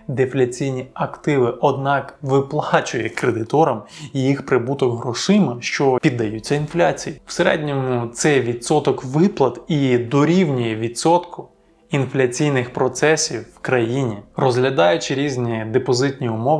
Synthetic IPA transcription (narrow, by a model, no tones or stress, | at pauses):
d̪eflʲɐt͡sʲijnʲiɐkt̪ɪʋɪʔɔd̪nɑkʋɪplˠɑt͡ʃʊjɛkɾed̪ɪt̪ɔɾɐmijixpɾɪbut̪ɔɡɦɾɔʃɪmɐʃt͡ʃɔpʲid̪ːɐjut͡sʲːɐinflʲat͡sʲijiw̥seɾɛ̰dʲnʲɔmʊt̪sɛjʋʲid̪sɔt̪ɔkʋɪplˠɐt̪id̪ɔɾʲiwnʲijɛʋʲid̪sɔt̪kʊ | inflʲɐt͡sʲijnɪxpɾɔt̪sɛsʲiwːkɾɐjinʲirɔzɦlʲɐd̪ɑjʊt͡ʃɪɾʲizʲnʲid̪epɔzɪt̪ʲnʲiʊmɔʋ